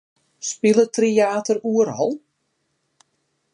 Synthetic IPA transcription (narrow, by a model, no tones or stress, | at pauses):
spilətrijaːtəruərɦɔlˠ